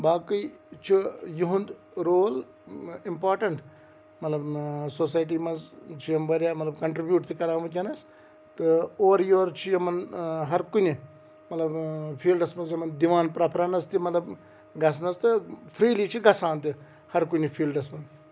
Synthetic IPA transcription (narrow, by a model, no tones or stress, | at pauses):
baːkɨit͡ʃʰijuɦũnd̪ | ɾoːl | impaːɾʈɐɳʈ | mɐt̪lɐbsoːsaːjʈ̬iːmɐnzt͡ʃʰiɐmʋɐɾjaːmɐt̪lɐbkɐɳʈɾibʲjuːʈt̪ʰikɐɾãːʋut̪ʲɐnɐs | t̪ɨoːɾjoːɾt͡ʃʰijɐmɐnɦɐɾkuni | mɐt̪lɐbfʰiːlɖɐsmɐnzɐmɐnd̪iʋaːnpɾaːpʰɾaːnɐst̪imɐt̪lɐb | ɡɐs̬nɐst̪ɨfʰɾiːlit͡ʃʰiɡɐsaːnt̪i | hɐɾkunifʰiːlɖɐsmɐn